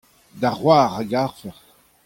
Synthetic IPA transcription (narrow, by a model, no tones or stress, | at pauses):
d̪aʁwaːʁaɡaʁfɛʁ